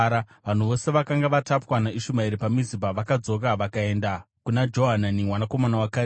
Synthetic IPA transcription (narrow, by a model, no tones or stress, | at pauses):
ɾa | ʋan̤uʋo̞se̞ʋakaŋɡaʋatapwanaiʃumaiɾipamizibaʋakad͡zo̞k̬aʋakae̞nda | kunad͡ʒo̞ɦananimwanako̞manawakaːɾ